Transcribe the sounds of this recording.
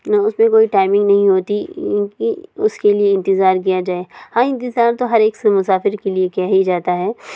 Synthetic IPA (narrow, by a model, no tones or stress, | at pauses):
nɐʊsmẽkoːiʈaːɪmɪ̃ŋɡnɐɦĩɦoːt̪ĩːkiʊskelieɪ̃nt̪ɪzaːɾk̬ijad͡ʒaːehãːɪ̃nt̪̬ɪzaːɾt̪oɦɐɾeːksemʊsaːfɪɾkeliekɛjaɦid͡ʒaːt̪aɦɛː